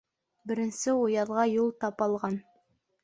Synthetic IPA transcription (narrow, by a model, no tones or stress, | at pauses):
bɘ̆ɾɘ̆nsɘujɑðʁɑjulˠt̪ɑpɑlˠʁɑn